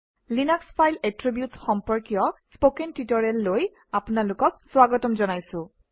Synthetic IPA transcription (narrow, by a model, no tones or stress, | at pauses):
linɔkspʰajlɛtɹibjutsxɔmpɔɹkijɔspokɛntitɔɹɛlːoj | apʊnalʊkɔk̚swaɡɔtɔmzɔnajsʊ̃